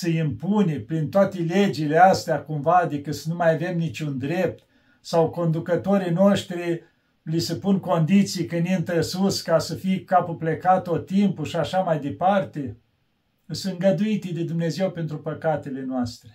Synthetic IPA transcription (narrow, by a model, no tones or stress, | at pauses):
səimpunʲepɾint̪oat̪eled͡ʒileast̪eakumvad̪ekət̪sənumajave̞mnit͡ʃund̪ɾe̞p̚t̪ | sawko̞nd̪ukət̪o̞ɾijnoʃt̪ɾi | lisəpunko̞nd̪it̪sijkənint̪əsuskasəfijkapuplekat̪ott̪ːimpuʃiaʃamajd̪e̞part̪e̞ | ɨsɨŋɡəd̪uit̪ed̪ed̪umne̞zewpe̞nt̪ɾupəkat̪ele̞noast̪ɾe